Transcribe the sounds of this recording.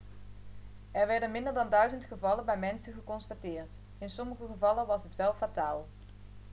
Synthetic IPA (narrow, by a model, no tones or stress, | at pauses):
ɛɹʋɛɹdənmɪndəɹdɑndœɥzəntχəvɑlənbɛjmɛnsəχəkɔnstatɪːɹt | ɪnsɔməχəχəvɑlənʋɑsɦətʋɛlˠfataːlˠ